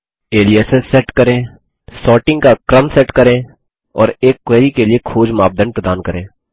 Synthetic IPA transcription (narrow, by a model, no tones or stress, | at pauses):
eːliesesɛːʈkəɾẽː | sɔːʈɪ̃ŋɡkakɾəmsɛːʈkəɾẽː | ɔ̰ːɾeːkːweːɾikeliekʰoːd͡ʒmaːb̚d̪ənpɾəd̪aːnkəɾẽː